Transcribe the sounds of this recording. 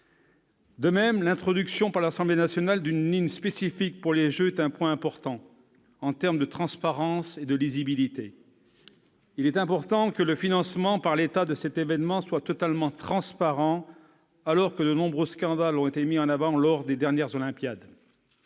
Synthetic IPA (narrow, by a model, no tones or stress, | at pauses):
d̪əmɛmlɛ̃t̪χɔd̪yksjɔ̃paʁlasɑ̃blenasjɔnald̪ynlinspesifik̚puʁleʒøɛt̪ɛ̃pwɛ̃ɛ̃pɔʁt̪ɑ̃ | ɑ̃t̪ɛʁmd̪ət̪χɑ̃spaʁɑ̃sed̪əlizibilit̪e | ilɛt̪ɛ̃pɔʁt̪ɑ̃kələfinɑ̃smɑ̃paʁlet̪ad̪əsɛt̪evɛnmɑ̃swat̪ɔt̪almɑ̃t̪χɑ̃spaʁɑ̃ | alɔʁkəd̪ənɔ̃bʁøskɑ̃d̪alɔ̃et̪emiɑ̃navɑ̃lɔʁd̪ed̪ɛʁnjɛʁzɔlɛ̃pjad̪